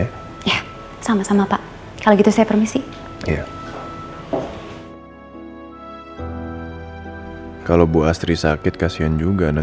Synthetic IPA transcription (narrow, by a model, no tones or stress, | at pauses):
ja | samasamapaʔ | kaloɡit̪usajapərmisi | ja | kalobuast̪ɾisakɪt̪̚kasiand͡ʒuɡanə